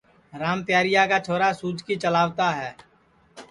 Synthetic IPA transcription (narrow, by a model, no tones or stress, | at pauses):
ɾaːmp̪jaːɾɪjakat͡ʃʰoːɾasuːd͡ʒkit͡ʃəlaːʋt̪aɦɛː